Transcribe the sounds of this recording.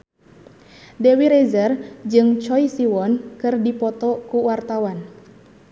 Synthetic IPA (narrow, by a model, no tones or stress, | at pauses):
dewiɾezərd͡ʒɨŋt͡ʃɔisiwɔnkɨrdipɔt̪ɔkuwart̪awan